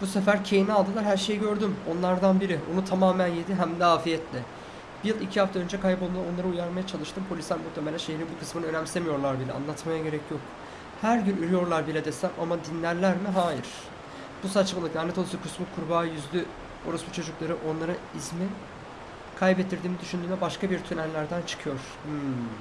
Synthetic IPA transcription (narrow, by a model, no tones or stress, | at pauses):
b̥usefæɾcʰe̞jinialˠd̪ɯlˠaɾɦæɾʃe̞jiɟø̞ɾd̪ymo̞nlˠaɾd̪anbiɾionut̪ʰamaːmænjed̪iɦæmd̪ɛaːfijɛt̪ʰlʲɛ | b̥ijɯlˠicʰihaft̪aø̞nd͡ʒɛkʰajpolˠmlˠao̞nlˠaɾɯujaɾmajat͡ʃʰalˠɯʃt̪ʰɯmpʰolʲisʲæɾmukt̪ʰːemelʲæʃe̞ɦiɾinbukʰɯ̥smɯnɯø̞næmsemijo̞ɾlˠaɾbilʲɛ̰a̰nlˠat̪majaɟe̞ɾɛcʰjo̞k̚ | hæɾɟynyɾyjo̞ɾlˠaɾbilʲɛd̪esæma̰mad̪inlʲæɾlʲæɾmiɦaːjiɾ̥ | b̥usat͡ʃmalˠɯkd̪anɛt̪olˠsɯkʰusmut̪kʰuɾbaːjyzlʲy | o̞̰ɾasbut͡ʃʰo̞d͡ʒuklˠaɾɯʔo̞nlˠaɾɯizmi | kʰajbɛt̪̚ːiɾd̪iːmnid̪yʃynd̪yːnɛbaʃkabiɾt̪ʰynællːʲæɾd̪ænt͡ʃʰɯ̥kʰɯjo̞ɾ̥